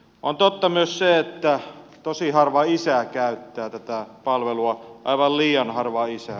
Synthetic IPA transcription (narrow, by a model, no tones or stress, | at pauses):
ʔont̪ot̪ːɑmyøsseet̪ːæt̪osihɑrʋɑisæˑkæˑyt̪ːæːt̪æt̪æpɑlʋeluɑʔɑiʋɑlliːjɑnhɑrʋɑisæ